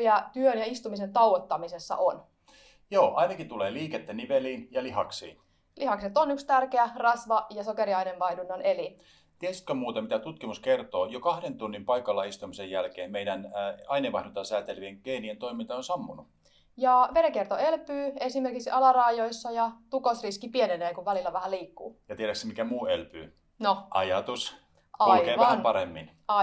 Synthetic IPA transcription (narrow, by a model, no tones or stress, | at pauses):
jæt̪yønjɑist̪umisent̪ɑuʋot̪ːɑmisesːɑ̰ʔon | joːʔɑinɑkit̪uleːliːket̪ːæniʋeliːnjɑlihɑksḭːn | lihɑkset̪onykst̪ærkeærɑsʋɑjɑsokeɾiɑineʋʋɑidunːɑneli | t̪iæsi̥t̪kømuːt̪ɑmit̪æt̪ut̪kimuskert̪oːjokɑhdent̪unːimpɑikɑlːɑist̪umisejjælkeːmmeidænɑineʋɑ̰hdunt̪ɑsæːt̪elʋieŋɡ̥einient̪oimint̪ɑonsɑmːunu | jɑʋeɾekert̪oelpyːesimerkiksɑlɑrɑːjoisːɑjɑt̪ukosriskipieneneːkuʋʋælilːæʋæhæliːkːṵːjɑt̪ieɾæksemikæmuːelpy̰ː | noʔɑ̰jɑt̪us | ɑulikeːʋæhæmpɑɾemːin | ɑ